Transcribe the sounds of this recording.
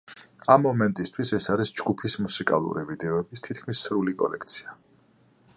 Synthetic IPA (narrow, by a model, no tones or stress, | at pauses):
amːɔmɛnt̪ʼist̪ʰwisɛsaɾisd͡ʒɡupʰismusikʼa̰lˠṵɾivid̪ɛɔɛbist̪ʰit̪̚ʰkʰmisːɾulikʼɔ̰lɛ̰k̚ʰt̪sʰi̥a